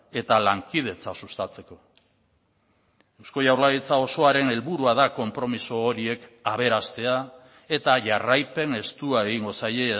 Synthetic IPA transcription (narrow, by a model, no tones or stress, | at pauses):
e̞t̪alaŋkið̞e̞t͡sasust̪at͡se̞ko̞ | ewsko̞jawɾlaɣit͡sao̞so̞aɾe̞ne̞lβuɾuaðako̞mpɾo̞misoːɾie̞kaβ̞e̞ɾast̪e̞a | e̞t̪aʝarajpe̞ne̞st̪uae̞ɣ̞iŋɡo̞saje